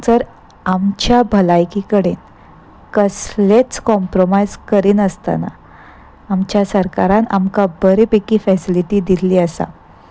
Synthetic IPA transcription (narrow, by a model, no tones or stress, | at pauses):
d͡zəɾ | amt͡ɕjabʱəlajkikəɽen | kəslet͡skɔ̃mpɾomajzkəɾiːnəst̪a̰na̰ː | mt͡ɕjasəɾkaɾana̰mkabəɾipekiːfɛsiliʈiːd̪iliːəsa̰